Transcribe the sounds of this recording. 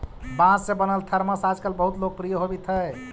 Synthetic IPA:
bãsːẽbənəlt̪ʰəɾməsad͡ʒkəlbəɦut̪lok̚pɾijəɦobit̪ɦəj

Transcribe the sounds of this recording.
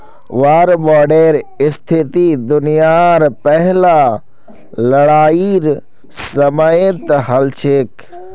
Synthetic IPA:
ʋaːɾbɔːɖeɾɪst̪ʰɪt̪id̪ʊnijaɾpɛɦla | ləɽaːiɾ | səməjɪt̪ɦɐlt͡ʃʰek

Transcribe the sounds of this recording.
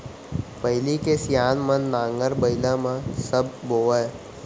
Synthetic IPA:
pəɦɪlikesjaːnmənːãːŋɡəɾbəɪlãmãsəb̚ːoːʋə

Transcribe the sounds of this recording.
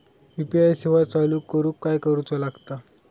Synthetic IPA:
ipiajseʋat͡saluːkːəɾuːkːajkəɾut͡salaɡt̪a

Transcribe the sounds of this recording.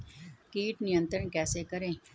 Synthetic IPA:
kiːʈnɪjə̃nt̪ɾənkɛːsekəɾẽː

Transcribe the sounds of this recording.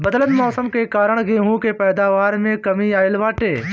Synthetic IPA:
bəd̪ələnmɔːsəmkekaːɾəɽ̃ɡeːɦũkepɛːd̪aːʋaːɾmẽkɐmiaːɪlʋaːʈeː

